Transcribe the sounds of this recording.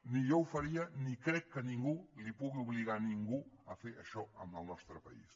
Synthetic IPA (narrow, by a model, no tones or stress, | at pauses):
nijowfɐɾiənikɾɛkːənĩŋɡulipuɣiuβliɣaniŋɡuəfeɾəʃɔəməlˠnɔst̪ɾəpɐ̰ḭs